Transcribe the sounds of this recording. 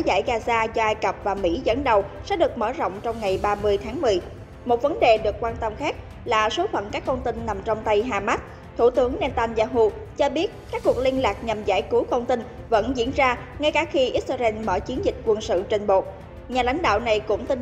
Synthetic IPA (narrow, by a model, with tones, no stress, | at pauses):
za̰ː˧˩jɣaː˧zaː˧zɔ˧ʔaː˧jkə˨˩p̚vaː˨˩mḭ˧˥zə̰˧˥nɗə˨˩wsɛ̰˧˥ɗɨ˨˩ək̚mə̰ː˧˩zɔ̰˧˨wŋ͡mt͡ɕɔ˧wŋ͡mŋa˨˩jɓaː˧mɨ˧əjt̪ʰaː˨˦ŋmɨ˨˩əj | mo˨˩t̚və˨˦nɗe˨˩ɗɨ˨˩əkːwaː˧nt̪ə˧mxaː˦˥k̚ | laː˨˩so˨˦fə̰˧˨nkaː˦˥kːə˧ŋ͡mt̪ï˧nːa˨˩mt͡ɕɔ˧wŋ͡mt̪a˧jɦaː˧˩ma˦˥t̚ | t̪ʰu˧˩t̪ɨ˨˦əŋnɛ˧t̪aː˧nzaː˧ɦu˧ | t͡ɕɔ˧ɓi˦˥ət̚kaː˦˥kːu˨˩ək̚li˧ənlaː˨˩k̚ɲa˨˩mza̰ː˧˩jku˨˦kə˧wŋ͡mt̪ï˧ŋ | və̰˧˥nzḭ˧˥ənzaː˧ | ŋa˧jkaː˧˩xi˧ʔi˦˥t̚sə˧zɛ˧nməː˧˩t͡ɕi˨˦ənzï˨˩k̟̚kwə˧nsɨ̰˧˨t͡ɕe˧nɓo˨˩t̚ | ɲaː˨˩la̰˧˥jŋ̟ɗa̰ː˧˨wna˨˩jkʊ̰˧˥ŋ͡mt̪i˧n